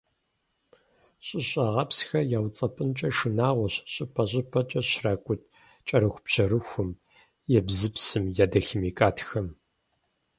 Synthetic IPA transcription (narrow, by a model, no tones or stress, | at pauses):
ɕʼɪɕʼɐʁɐpsxɐjaːwt͡sʼɐpʼɨnt͡ʃʼɐʂɨnaːʁʷɔɕɕʼɪpʰɐɕʼɪpʰɐt͡ʃʼɐɕraːkʷʼʊt̚ʰ | t͡ʃʼɐɾɨxʷpɕɐɾɨxʷʊm | jɛbzɨpsɨmjaːdɐximiːkʼaːtʰxɐm